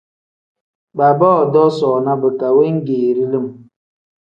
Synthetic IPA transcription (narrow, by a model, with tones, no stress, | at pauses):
ba˨bɔː˦˨dɔ˦sɔː˨na˦bə˨ka˨we˦ŋ̩˦ɡeː˨ɾi˦li˦˨m